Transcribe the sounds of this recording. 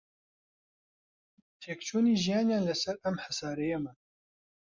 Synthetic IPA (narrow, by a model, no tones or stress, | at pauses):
t̪ʰeːkt͡ʃʰuːniːʒijɑːnjaːnlɐsɐɾɐmħasaːɾɛjemɐ